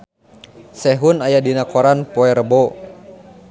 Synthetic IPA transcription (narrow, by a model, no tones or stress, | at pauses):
sɛɦunajadinakɔɾanpɔɛɾəbɔ